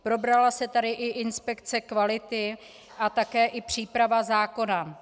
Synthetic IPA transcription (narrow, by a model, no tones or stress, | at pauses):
pɾo̞bɾalasɛt̪adɪʔɪʔɪnspɛkt͡sɛkvalɪt̪ɪ | ʔat̪akɛːʔɪpr̝̥iːpɾavazaːko̞na